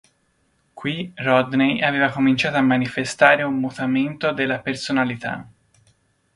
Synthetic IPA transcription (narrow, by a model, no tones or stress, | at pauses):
kwirɔd̪nejaveːvakomint͡ʃaːt̪oamːanifest̪aːɾeumːut̪ament̪od̪elːapersonalit̪a̰